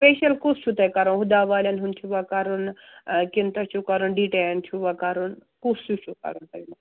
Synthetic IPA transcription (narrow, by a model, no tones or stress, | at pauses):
speːʃɐlkust͡ʃʰut̪ɐjkɐɾɐnɦud̪aːʋaːlʲɐnɦunt̪ʰuʋɐkɐɾun | kint̪ɐt͡ʃʰukɐɾunɖiʈeɐnt̪ʰuʋɐkɐɾunkust͡ʃut͡ʃʰukɐ̰ɾunt̪ɐjnɐ